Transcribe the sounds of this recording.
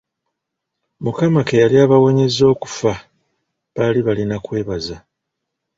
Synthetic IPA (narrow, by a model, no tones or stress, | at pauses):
mukamakejaliaːβawo̞ɲe̞zo̞ːku̥fa | βaliβalinakwe̞ːβaza